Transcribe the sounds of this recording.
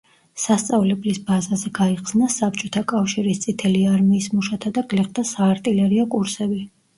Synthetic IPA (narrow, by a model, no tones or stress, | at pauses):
sast̪sʼavlɛblisbazazɛɡaiqsnasap̚t͡ʃʼɔt̪ʰakʼafʃiɾist̪sʼit̪ʰɛliaɾmiːsmuʃat̪ʰad̪aɡlɛχd̪asaːɾt̪ʼilɛɾiakʼuɾsɛbi